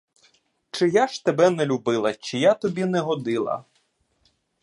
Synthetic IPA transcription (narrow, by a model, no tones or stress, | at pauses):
t͡ʃɪjaʃt̪ebɛnɛlʲubɪlˠɐt͡ʃɪjat̪ɔbʲinɛɦɔd̪ɪlˠɐ̰